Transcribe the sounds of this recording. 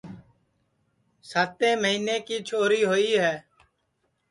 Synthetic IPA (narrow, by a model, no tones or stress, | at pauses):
saːt̪ẽːməɦiːneːkiːt͡ʃʰoːɾiːɦoːiːɦɛː